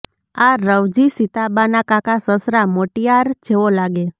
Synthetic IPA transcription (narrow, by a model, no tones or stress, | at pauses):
aɾəʋd͡ʒisit̪abanakakasəsɾamoʈijaɾd͡ʒeʋolaɡe